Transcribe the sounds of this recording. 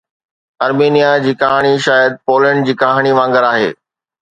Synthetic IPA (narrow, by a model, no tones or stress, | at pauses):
ɐɾmiːnijad͡ʑiːkaːɦɽ̃iʃaːjəd̪̚poːlə̃ɳɖ̚d͡ʑiːkaːɦɽ̃iʋãːŋɡəɾaːɦḛː